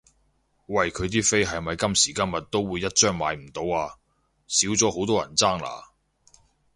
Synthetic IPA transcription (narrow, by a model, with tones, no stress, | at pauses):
wɐ˨jkʰɵ˨˧ɥt̪iː˥fe˥jɦɐ˨jmɐ˨˧jkɐ˥msiː˨˩kɐ˥mjɐ˨t̚t̪ːo˥wwuː˨˧jːɐ˥t̚t͡ʃœː˥ŋmaː˨˧jm̩˨˩t̪o˨˧waː˧ | siː˨˥wt͡sɔː˨˥ho˨˥wt̪ɔː˥jɐ̰˨˩nt͡saː˥ŋla̰ː˨˩